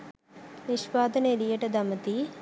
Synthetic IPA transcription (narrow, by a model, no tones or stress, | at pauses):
niʃʋaːd̪ɐnelijɐʈɐd̪ɐmɐt̪i